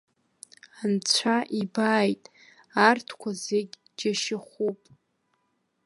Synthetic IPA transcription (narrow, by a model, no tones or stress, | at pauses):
ant͡ɕʷʰaʔibaːjtʼ | artʰkʷʰazeɡʲ | d͡ʒaʃɪχʷupʼ